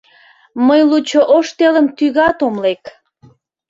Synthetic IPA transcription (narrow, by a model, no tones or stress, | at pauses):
məjlut͡ɕoʔoʃt̪eləmt̪yɣɑt̪omlek